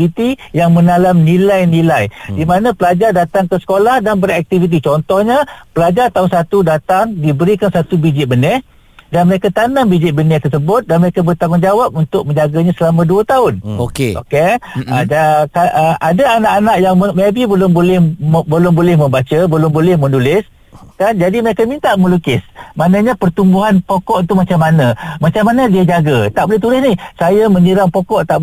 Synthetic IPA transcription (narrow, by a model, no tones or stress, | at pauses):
vit̪ijaŋmə̃nalamnilajnilajdimanãpəlad͡ʒardat̪aŋkəsə̥kolahdanbəɾiak̚t̪ivit̪̬it͡ʃɔnt̪ɔhɲapəlad͡ʒart̪aʊnsat̪udat̪aŋdibəɾikansat̪ubid͡ʒɪʔ̪̚bənɛh | danməɾekat̪anambid͡ʒɪʔ̪̚bənɛht̪ərsəbʊt̪̚danməɾekabərt̪aŋʊnd͡ʒawap̚unt̪ʊk̚mə̃ɲd͡ʒaɡaɲasəlamãduət̪aʊno̰keʔo̰kead͡ʒakaəadaanaʔanaʔjaŋəmebibəlʊmbolɛhbəlʊmbolɪhmə̃mbat͡ʃəbəlʊmbolɛhmə̃nulɪs | kand͡ʒadiməɾekamint̪aʔmə̃lukɪsmanãɲapərt̪umbuɦanpokɔʔit̪umat͡ʃamːanamat͡ʃamːanadiad͡ʒaɡat̪aʔbolɛht̪ulɪsnɪhsajamə̃ɲiɾaŋpokɔʔt̪aʔ